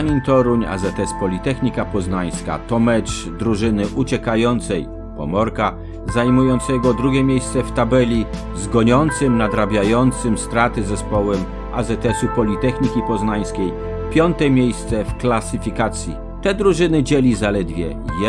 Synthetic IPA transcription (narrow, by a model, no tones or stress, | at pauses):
ɲinʲt̪ɔɾuɲa̰zɛt̪ɛspɔlʲit̪ɛxɲʲikapɔznaj̃ska̰t̪ɔmɛt͡ʂ | d̪ɾuʐɘnɘʔut͡ɕɛkajɔnt̪sɛj | pɔmɔɾka | zajmujɔnt̪sɛɡɔd̪ɾuɡʲjɛmʲjejst̪sɛft̪abɛlʲi | zɡɔɲɔnt̪sɘmnad̪ɾabʲjajɔnt̪sɘmst̪ɾat̪ɘzɛspɔwɛm | ʔazɛt̪ɛsupɔlʲit̪ɛxɲikʲipɔznaj̃skʲej | pʲjɔnt̪ɛmʲejst̪sɛfklasɘfʲikat̪sʲjḭ | t̪ɛd̪ɾuʐɘnɘd͡ʑɛlʲizalɛd̪vʲjɛ